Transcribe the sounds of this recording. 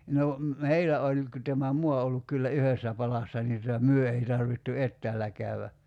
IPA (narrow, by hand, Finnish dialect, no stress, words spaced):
no meilæ olʲ ku tæmæ muɑ o olːuk kylːæ yhesːæ pɑlɑsːɑ niː tutɑ myø ei tɑrʋitːu etːæːlːæ kæyæ